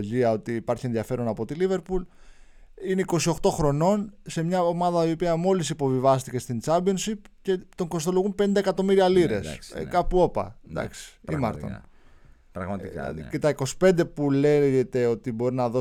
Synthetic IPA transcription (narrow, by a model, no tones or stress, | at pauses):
ʎiɐo̞t̪iːpɐɾçie̞nðiɐfe̞ɾo̞nɐpo̞t̪ilive̞ɾpul | ineiko̞sio̞xt̪o̞xɾo̞no̞nse̞mɲɐomɐðɐiopiɐmo̞lisipo̞vivɐst̪ice̞st̪int͡sɐmbio̞nsipce̞t̪o̞ŋko̞st̪o̞loɣumpenind̪ɐekɐt̪o̞miɾiɐliɾe̞̰sḛkɐpuo̞pɐ̰d̪ɐ̰ksi̥imɐ̰ɾɾt̪on | ɾɐɣɐt̪ikce̞t̪ɐiko̞si̥pe̞nd̪e̞puleʝet̪e̞o̞t̪ibo̞ɾinɐðo̞